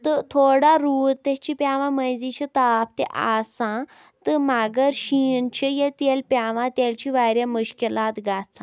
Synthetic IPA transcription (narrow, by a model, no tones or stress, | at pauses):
t̪ət̪ʰoɽaɾuːd̪t̪et͡ɕipaʋãməjd͡zit͡ɕʰit̪apt̪ḛʔa̰sã | t̪əmaɡəɾɕint͡ɕʰəjet̪elpaʋãt̪jelt͡ɕiʋaɾjamuɕkilat̪ɡʱat͡sã